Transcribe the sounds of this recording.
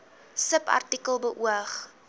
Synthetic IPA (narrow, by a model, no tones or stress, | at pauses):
səpɐ̰rtikəlˠbəʔuəχ